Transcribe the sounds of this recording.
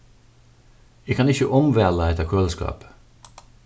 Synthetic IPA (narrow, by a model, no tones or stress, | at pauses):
ɛːkʰɑnɪçəʔɔmʋɛləɛt̪əkʰølskɑ̰ːp